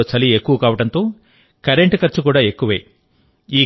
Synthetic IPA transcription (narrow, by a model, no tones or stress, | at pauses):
oːt͡ʃɐliekːuʋɐkaːʋɐʈɐnt̪oː | kɐɾeɳʈkɐɾt͡ʃukuːɽaːe̞kːuʋḛː | iː